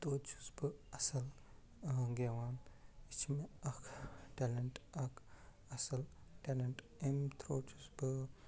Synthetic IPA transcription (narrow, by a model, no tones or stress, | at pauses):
t̪oːt͡ʃʰu̥sbɨɐsɐl | ɡeʋaːnit͡ʃʰmeɐkʰʈelɐɳʈɐkʰ | ɐsɐlʈeːleɳʈ | emt̪ʰɾoːt͡ʃʰusbɨ